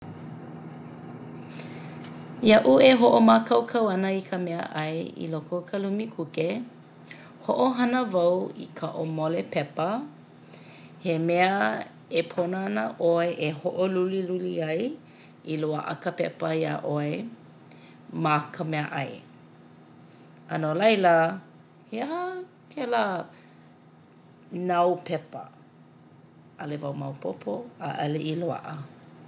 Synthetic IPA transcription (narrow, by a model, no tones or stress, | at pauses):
jaʔueɦoʔomakɐwkʰɐwɐnəikʰəmɛə̰ʔɐjḭlokokʰɐlumikʰuke | hoʔoɦɐnəvɐwḭkʰɐʔomolepɛpə | hemɛə | epʰonɐnəʔoeʔehoʔoluliluliɐj | iloaʔəkəpɛpəia̰ʔoe | makʰəmeɐʔɐj | ɐnolɐjlə | heaha | kʰɛla | nɐwpʰɛpə̰ | ʔɐlevawmawpʰopʰoaʔɐleʔiloa̰ʔə